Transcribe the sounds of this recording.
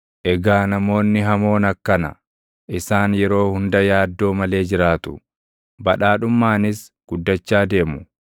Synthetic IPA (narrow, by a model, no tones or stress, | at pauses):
ʔɛɡaːnɐmo̞ːnːɪɦɐmo̞ːnɐkːɐnɐ̰ | ʔɪsaːnjɛɾo̞ːhʊnd̪ɐjaːd̪ːo̞ːmɐle̞ːd͡ʒɪɾaːt̪ʊ | bɐᶑaːᶑʊmːaːnɪs | ɡ̥ʊd̪ːɐt͡ʃːaːd̪e̞ːmʊ